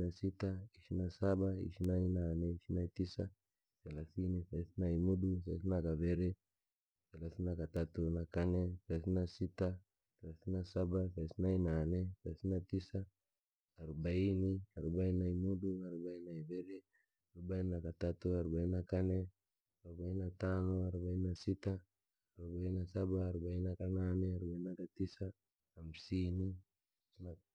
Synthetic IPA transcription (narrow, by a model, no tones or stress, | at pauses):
nasit̪aisinasabaḭsinainaːneisinait̪isa | sɛlasinisaisinaimudus̬ais̬inakaveɾe | selasinakat̪at̪unakaneselasinasit̪a | sɛlasinasabasaisinainaːneselasinat̪isaː | ɾubainiaɾubainaimuduaɾubainaibeɾe | aɾubainakat̪at̪uaɾubainakane | aubainat̪anuaɾubainasit̪aː | ɾubainasabaːɾubainakananeaɾubainakat̪isa | amsini | asna